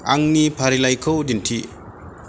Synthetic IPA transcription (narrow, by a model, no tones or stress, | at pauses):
aŋnipʰaɾilajkʰowdintʰi